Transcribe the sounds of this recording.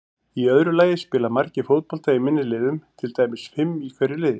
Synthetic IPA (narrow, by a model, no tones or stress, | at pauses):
iœðɾʏlaːjɪspɪːlamaɾcɪfowt̪̚pɔlt̪ajimɪnːɪlɪːðʏmt̪ʰɪlt̪aːjmɪsfɪmikʰvɛɾːɪɾlɪːðɪ